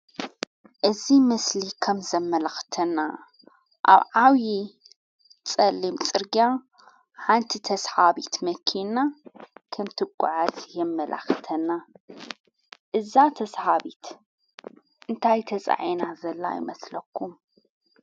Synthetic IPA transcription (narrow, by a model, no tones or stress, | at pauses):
ʔɨzimɐslikʰɐmzɐmːɐlaxt̪ʰɐnːa | ʔa̰βʕawji | t͡sʼɐlːimt͡sʼɨɾɡia | ħant̪ʰit̪ʰɐsħaβit̪mɐkʰinːakʰɐmt̪ʰɨkʷʼːʊ̰ʕazjɛmːɐlʔa̰xt̪ʰɐnːa | ʔɨzat̪ʰɐsħaβit̪ | ʔɨnt̪ʰajt̪ʰɐt͡sʼa̰ʕinazɐlːa̰jɪ̰mɐslɐkʰːum